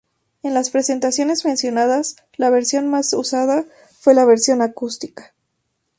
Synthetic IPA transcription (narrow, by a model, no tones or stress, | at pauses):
e̞nlaspɾe̞se̞nt̪asjo̞ne̞zmensjo̞naðas | laβ̞e̞ɾsjo̞nmasusaða | fwe̞laβe̞ɾsjo̞nakust̪i̥kḁ